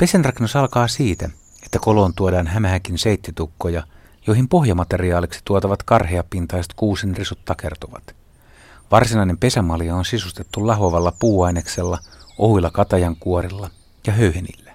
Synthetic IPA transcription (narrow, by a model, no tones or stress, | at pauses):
pe̞sænrɑkenːusɑlkɑːsiːt̪æ | et̪ːækolo̞ːnt̪uodɑːnɦæmæɦækinsejt̪ːit̪ukːojɑ | jojhimpo̞hjɑmɑt̪e̞riɑːliksi̥t̪uot̪ɑʋɑt̪kɑrɦeɑpːint̪ɑjset̪kuːsinrisut̪t̪ːɑke̞rt̪uʋɑ̰t̪ | ʋɑrsinɑine̞mpe̞sæmɑliɑonsisust̪e̞t̪ːulɑɦoʋɑlːɑpuːɑjnekse̞lːɑʔohuilːɑkɑt̪ɑjɑŋkuoɾilːɑ | jɑɦøyhenḭlːæ̥